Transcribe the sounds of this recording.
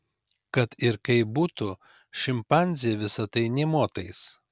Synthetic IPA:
kɐt̪ɪɾkɐɪbuːt̪ʊ | ʃʲɪmpɑnʲzʲɪjɛʋʲɪsɐt̪ɐɪnʲɛmoːt̪ɐɪs

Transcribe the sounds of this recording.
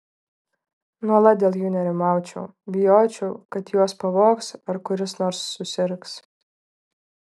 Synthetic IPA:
nuɔlˠɐt̪̚d̪ʲeːlˠjuːnʲɛɾʲɪmɑˑʊt͡ʃʲɛʊbʲɪjoːt͡ʃʲɛʊkɐt̪juɔspɐʋoːksɐɾkʊɾʲɪsnoːɾsːʊsʲɪɾks

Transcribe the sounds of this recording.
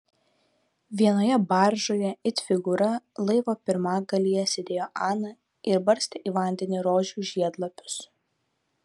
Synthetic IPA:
ʋʲiɛnoːjɛbɑˑɾʒoːjɛɪt̪ʲfʲɪɡʊɾɐlˠɐɪʋoːpʲɪɾmɑːɡɐlʲijɛsʲɛd̪ʲeːjoːʔɑːnɐ | ɪɾbɐɾʲsʲt̪ʲeːʔiːʋɐˑnʲd̪ʲɛnʲɪɾoːʒʲuːʒʲiɛd̪lˠɐpʲʊ̥s

